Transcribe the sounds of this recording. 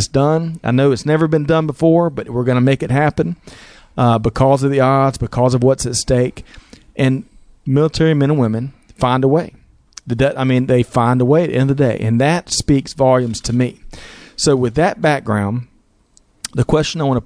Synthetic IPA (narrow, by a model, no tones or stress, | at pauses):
sd̥ʌ̃na̰ɪnoʊɨtsnɛvə˞bɨ̃ndʌ̃nbəfɔɹbʌɾwɪɹɡʌnɨmeɪkɨt̚ɦæpɨ̃n | bɨkʰɔzʌvðiɑɹdzbɨkʰɔzʌvwʌtsɨtsteɪk | ʔɨ̃n | mɪlˠətʰɛɹimɛ̃ñə̃nwɪ̃mɨ̃nfãɪ̃ndəweɪ | ðɨdʌaɪmĩnðeɪfãɪ̃ndəweɪðḭɛ̃ndʌvðɨdeɪʔɨ̰̃nðɨtspiksvɑlˠjɨ̃mz̥tʰɨmisoʊwɨðɨt̚b̥æk̚ɡ̥ɹãʊ̃n | ðɨkʰw̥ɛst͡ʃɨnaɪwɑ̃nə